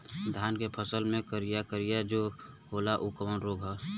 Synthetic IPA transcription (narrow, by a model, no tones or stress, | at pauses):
d̪ʱjaːnkepʰəsəlmẽkəɾijakəɾijad͡ʒoː | ɦoːlaʔukəmənɾoːɡɦɛ